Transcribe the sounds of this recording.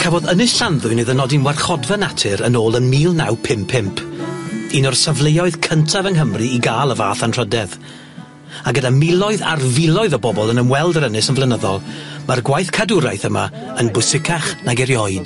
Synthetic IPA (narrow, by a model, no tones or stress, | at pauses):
kʰavɔdənɨsɬanðʊɨneːðənɔdinwɛrχɔdvanatʰɨɾənoːlˠənmiːlˠnawpʰɪmpʰːɪmpʰinɔrsavlˠejɔɨðkʰəntʰavəŋɦəmrɨːɡaːlˠəvaːθantʰr̥ədɛð | aɡədamɪlˠɔɨða̰rvɪlˠɔɨðəbɔbɔlˠənəmwɛlˠdəɾənɪsənvlˠɛnəðɔ̰lˠmarɡwajθkʰadʊɾajθəma̰ | ənbʊsɪkʰaχnaɡɛɾjɔɨd̥